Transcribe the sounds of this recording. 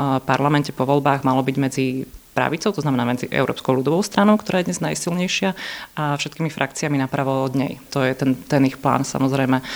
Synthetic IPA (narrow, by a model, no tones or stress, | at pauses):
paɾlamɛncɛpɔʋɔlbaːɣmalɔbiɟmɛd͡zipɾa̰ʋit͡sɔʊɔznamɛnaːmɛd͡ziʔɛ̰ʊɾɔ̰ːpskɔʊlud̪ɔʋɔʊst̪ɾanɔʊkt̪ɔɾaːjɛd̪ɲɛznajsilɲɛjʃɪaafʃɛt̪kiːmifɾʔakt͡siaminapɾaʋɔɔd̪ɲɛ̰jt̪ɔjɛt̪ɛnt̪ɛnixpla̰ːnsa̰mɔzɾɛjmɛ